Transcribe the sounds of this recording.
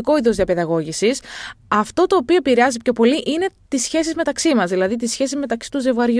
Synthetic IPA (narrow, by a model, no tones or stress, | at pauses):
ko̞iðozðiɐpeðɐɣo̞ʝisisɐft̪o̞t̪o̞ːpio̞epiɾeɐzipço̞po̞liʔine̞t̪isçe̞sizme̞t̪ɐksimɐzðilɐðit̪̬isçe̞sizme̞t̪ɐksi̥t̪uze̞vɣɐɾʝ